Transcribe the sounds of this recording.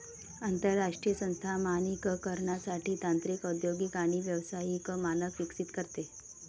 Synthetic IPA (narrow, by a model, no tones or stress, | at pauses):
ənt̪əɾːaʂʈɾijəsə̃nst̪ʰamanikəkəɾɳjasaʈiːt̪ant̪ɾikəd̪joɡikaɽ̃iʋjəʋsajikəmanəkʋiksit̪kəɾt̪e